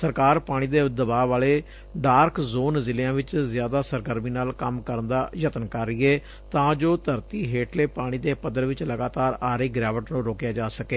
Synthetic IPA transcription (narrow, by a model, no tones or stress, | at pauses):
səɾkaːɾpaːɽ̃iːd̪eːd̪əbaːʋaːleː | ɖaːɾkzoːnzɪljãːʋɪt͡ʃzɪjaːd̪aːsəɾɡəɾmiːnaːlkəmkəɾənd̪aːjət̪ənkəɾɪeː | t̪ãːd͡ʒoːt̪əɾt̪iːɦeːʈleːpaːɽ̃iːd̪eːpəd̪əɾʋɪt͡ʃləɡaːt̪aːɾaːɾiːɡɾaːʋəʈnũːɾoːkjaːd͡ʒaːsəkeː